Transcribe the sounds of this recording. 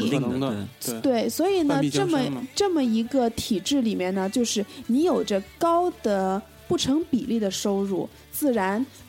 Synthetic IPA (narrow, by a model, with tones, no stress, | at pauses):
t̪we˥˩ɪswɔ˧˥i˨˩nə˦ʈ͡ʂə˥˩mə˩ʈ͡ʂɤ˥˩mə˩i˧˥ɡə˧t̪ʰi˨˩ʈ͡ʂɻ̩˥˩li˨˩mjɛ˥˩nnə˩t͡ɕjo˥˧ʊʂɻ̩˥˩ni˧˥jo˨˩ʊʈ͡ʂə˥˧kɑ˥ʊd̪ə˨ | pu˥˩ʈ͡ʂʰɤ˧˥ŋpi˨˩li˥˩d̪ə˩ʂo˥ʊɻṵ˥˩ | t͡sɹ̩˥˩ɻa˧˥n